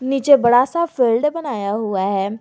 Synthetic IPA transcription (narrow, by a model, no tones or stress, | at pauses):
niːt͡ʃebɐɽaːsafʰiːlɖbənaːjaɦʊaɦɛː